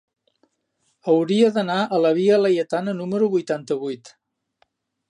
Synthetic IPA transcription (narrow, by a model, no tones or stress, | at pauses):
əwɾiəðənaʔələβ̞iələjət̪anənuməɾuβujt̪ant̪əβ̞ujt̪